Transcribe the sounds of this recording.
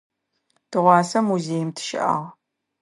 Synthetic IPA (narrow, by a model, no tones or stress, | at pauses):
tʰɨʁʷɑːsɐmuzeːjmtʰɨ̥ʃɪ̰ʔɐ̰ːʁ